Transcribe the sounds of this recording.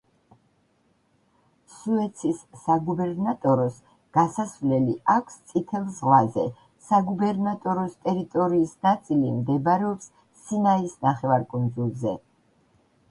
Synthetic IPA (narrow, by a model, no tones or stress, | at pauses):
suɛt̪sʰisːaɡubɛɾnat̪ʼɔɾɔs | ɡ̥asasvlɛliʔakʷʰst̪sʼit̪ʰɛlˠzʁlazɛ̰ | saɡubɛɾnat̪ʼɔɾɔst̪ʼɛɾit̪ʼɔɾiːsnat̪sʼilimd̪ɛbaɾɛɔps | sinaisnaχɛvaɾkʼund̪zulˠzɛ